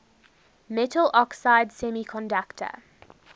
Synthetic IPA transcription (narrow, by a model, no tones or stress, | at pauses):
mɛtʰəl̩ʔɔksaɪdsɛmikʰɔ̃ndaktʰə̰